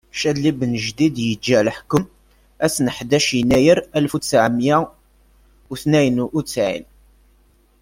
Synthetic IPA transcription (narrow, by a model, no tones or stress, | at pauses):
ʃælːibnəʒd̪id̪jəd͡ʒːælħkʊm | æsnəħd̪æʃjənːæjəɾælfut͡sːʕəmjæ | uθnæjənut͡sːʕḭn